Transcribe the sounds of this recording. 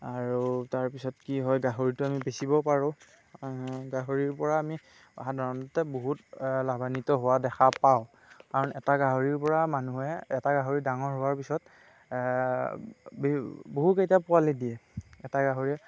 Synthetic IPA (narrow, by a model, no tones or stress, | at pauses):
aɹutaɹpisɔtkiɦɔjɡaɦoɹitʊamibesibɔpaɹʊ̃ | ɡaɦoɹiɹpɔɹaːmi | a̰ɦadʱaɹɔtatɛboɦutlabanitɔɦowadɛxʰapaʊ | kaɹɔnɛtaɡaɦoɹiɹpɔɹamanuɦɛɛtaɡaɦoɹidaŋɔɹɦʊwaɹpisɔt | bboɦukejtapʊalidiɛɛtaɡaɦoɹiɛ